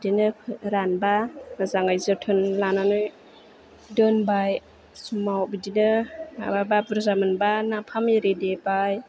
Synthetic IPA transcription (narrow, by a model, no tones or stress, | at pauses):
dinɯɾanbanazaŋɡajzɯtʰɯnlananɯj | dɯnbaj | sumawbidinɯa̰bababuɾzamɯnbanapʰamiɾedebaj